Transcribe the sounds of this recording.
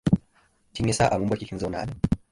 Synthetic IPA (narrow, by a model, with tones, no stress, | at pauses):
ti˦ŋɛ˦sa˦ʔa˨mu˦mbwa˦ki˦ki˦nzɔ˦na̰˨n